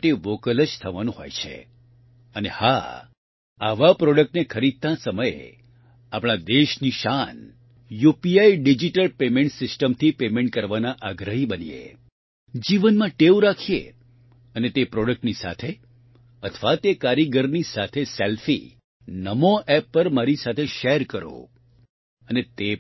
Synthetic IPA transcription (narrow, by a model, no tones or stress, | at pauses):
ʈeʋokələd͡ʒt̪ʰəʋanũɦo̰jt͡ʃʰḛ | əneha̰ | a̰ʋapɾɔɽək̚ʈnekʰəɾid̪̚t̪ãsəməjḛ | apɽ̃ad̪eʃniʃan | jupiaiɖid͡ʒiʈəlpemeɳʈsɪsʈəmt̪ʰipemẽɳʈ̚kəɾʋanaʔaɡɾəɦibənḭḛ | d͡ʒiʋənmãʈeuɾakʰijḛ | ənet̪epɾɔɽək̚ʈnisa̰t̪ʰe | ət̪ʰʋat̪ekaɾiɡəɾnisat̪ʰeselfḭ | nəmoʔɛpːəɾmaɾisat̪ʰeʃeɾkəɾo̰ | ənet̪e